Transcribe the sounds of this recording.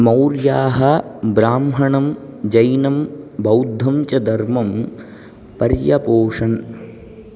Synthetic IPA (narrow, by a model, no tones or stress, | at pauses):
mɐwɾjaːɦɐbɾaːmɦɐɳɐmd͡ʒɐjnɐmbɐwd̪ʱɐmt͡ʃɐd̪ɐɾmɐm | pɐɾjɐpoːʂɐn